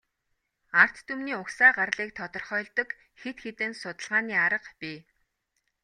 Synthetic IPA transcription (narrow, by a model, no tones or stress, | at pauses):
ar̥t̪ːumniːʊksaːɢarɮiːk̚t̪ʰɔt̪ɞ̆rχœːɮt̪ɞ̆k | xet̪xet̪ɘ̆nsʊt̪ə̆ɮʁaːniːaɾə̆qpʲiː